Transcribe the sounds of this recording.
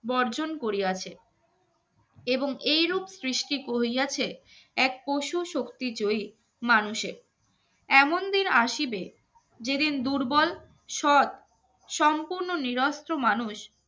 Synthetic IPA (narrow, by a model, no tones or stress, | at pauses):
bɔɾd͡ʑonkoɾiat͡ɕʰe | eboŋejɾubsɾiʃʈikoɦiat͡ɕʰe | ɛk̚poʃuʃokt̪id͡ʑoi | manuʃeɾ | ɛmond̪inaʃibe | d͡ʑed̪ind̪uɾbɔl | ʃɔt̪ | ʃɔmpuɾnoniɾɔst̪ɾomanuʃ